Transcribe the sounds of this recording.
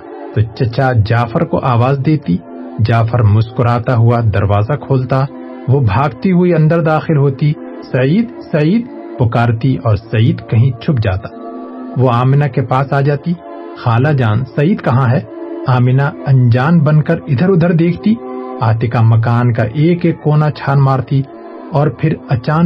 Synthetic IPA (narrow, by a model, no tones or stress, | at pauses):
t̪ot͡ʃɐt͡ʃad͡ʒaːfəɾko̰ʔaːʋaːzd̪eːt̪i | d͡ʒaːfʰəɾmʊskʊɾaːt̪aɦʊad̪ɐɾʋaːzakʰoːlt̪a | ʋobʱaːɡt̪iɦʊiɐ̃nd̪əɾd̪aːxɪlɦoːt̪i | sɐiːd̪sɐiːd̪̚ | pʊkaːɾt̪iʔɔːɾsɐiːd̪kɐɦĩt͡ʃʰʊp̚d͡ʒa̰ːt̪ḁʋoaːmɪnakepaːsaːd͡ʒaːt̪i | xaːlad͡ʒaːnsɐiːd̪kɐɦãɦɛːaːmɪnaɐ̃nd͡ʒaːnbɐnkəɾɪd̪ʱəɾʊd̪ʱəɾd̪eːkʰt̪iaːt̪ɪkamɐk̬aːnkaʔeːkeːkːoːnat͡ʃʰaːnmaːɾt̪i | ɔːɾpʰɪɾɐt͡ʃaː